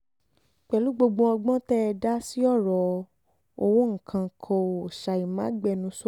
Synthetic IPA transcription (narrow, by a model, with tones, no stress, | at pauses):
k͡pɛ˨lu˨˦ɡ͡bo˧ɡ͡bõ˧ɔ˧ɡ͡bɔ̃˦tɛ˦˧da˦si˦ɔ˦˨ɾɔ˨ | o˧wõ˦ŋ̩˨kʰã˧˨kʰɔ̃˧˨o˨ʃa˧i˨mã˨˦ɡ͡bɛ˦˨nũ˨˦so˦